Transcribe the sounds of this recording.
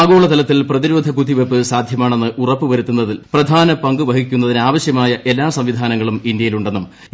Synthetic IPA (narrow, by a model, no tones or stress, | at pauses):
ɡo̞ːɭɐt̪ɐlɐt̪ːilprɐðiɾoːd̪ʱɐkud̪iʋepːɨsaːd̪ʱjɐmaːɳe̞nːɨʔurɐpːɨʋɐɾut̪ːunːɐðilprɐd̪ʱaːnɐpɐŋɡɨʋɐɦik̬ʲːunːɐðinaːʋɐɕjɐmaːjɐʔe̞lːaːsɐmʋid̪ʱaːnɐŋːɐɭumind̪jɐjiluɳɖe̞nːum